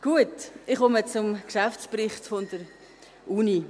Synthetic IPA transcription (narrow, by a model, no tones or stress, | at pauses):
ɡ̥uətɪχomət͡sʊmkʃaft͡sprɪχtfond̥əɾ | ʔuni